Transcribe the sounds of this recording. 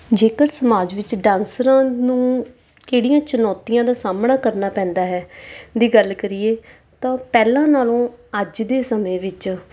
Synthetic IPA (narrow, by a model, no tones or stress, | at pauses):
d͡ʒeːkəɾsəmaːd͡ʒʋɪt͡ʃɖãːnsɾãːnũː | keːɽijãːt͡ʃənɔːt̪ijãːd̪aːsaːmnaːkəɾnaːpɛ̃ːnd̪aːɦɛːd̪iːɡəlkəɾiːeː | t̪ãːpɛːlãːnaːlõːəd͡ʒd̪eːsəmẽːʋɪt͡ʃ